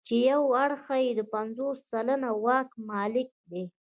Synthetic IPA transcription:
t͡ʃejawaɽxajed̪əpanzosːalanawɑkmɑlɪk̚d̪e

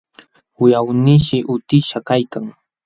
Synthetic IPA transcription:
ʊjawnɪʃɪʔʊt̪ɪʃakajkaŋ

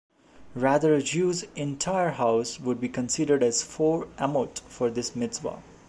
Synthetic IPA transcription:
ɹæd̪əɾəd͡ʒuːzɛ̃ntʰaɪəɾɦaʊsʋʊɖ̚biːkə̃nsɪɖəɾɖæz̥fɔːɾʔæmoʈfɔɾd̪ɪsmɪdswa̰

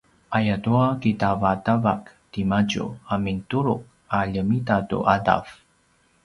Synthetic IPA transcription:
ʔajatuakitavatavaktimaɟṵamintuɾuk | aʎəmitatṵʔada̰f

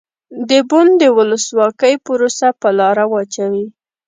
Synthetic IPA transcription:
d̪əbʊnd̪əwʊləswɑkəjpʊɾosapəlɑɾawɑt͡ʃawi

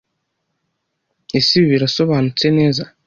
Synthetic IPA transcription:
isiβiɾaso̞βaːnut͡seneːza

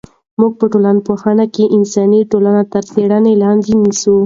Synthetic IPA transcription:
muɡ̚pəʈolanpoxɑnakeʔɪnsɑniʈolanat̪aɾseɽanelɑnd̪inisu

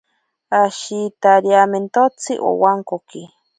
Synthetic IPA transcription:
aʃit̪aɾjament̪ot͡sʰḭʔo̰waŋkoki

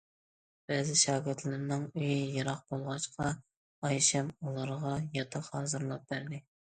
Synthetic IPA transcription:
b̥ɛːzɪʃɑːɡʲɪɾt̪ʰlɪɾnɪŋyjijɑɾɑqb̥olˠʁɑt͡ʃqʰɑ | ɑjʃɛmulˠɑɾʁɑjɑt̪ʰɑqhɑːzɨɾlˠɑp̚bæɾd̪ɪ

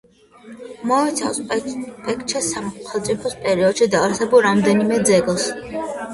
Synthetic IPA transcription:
mɔɛt̪sʰa̰fspʼɛkʰʼt͡ʃʰɛsaχɛlˠt̪sʼipʰɔspʼɛɾiɔd̪̥ʃid̪aɾsɛbulˠɾamd̪ɛnimɛd̪zɛɡlˠs

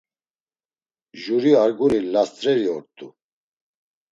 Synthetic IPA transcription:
ʒuɾiaɾɡunilast̪ʼɾɛɾiɔɾt̪ʼu

